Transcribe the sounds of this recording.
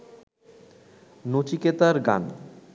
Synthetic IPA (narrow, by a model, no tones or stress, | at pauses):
not͡ɕiket̪aɾɡa̰n